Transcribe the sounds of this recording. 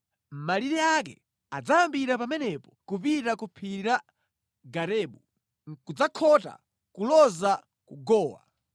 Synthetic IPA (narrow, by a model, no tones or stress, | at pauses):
m̩maliɾɛakɛ̰ | ad͡zaambiɾapamɛnɛpɔkupitakupʰiɾa | ɡaɾɛːɓu | kud͡zakʰɔta̰ | kulɔza | kuɡɔːwa̰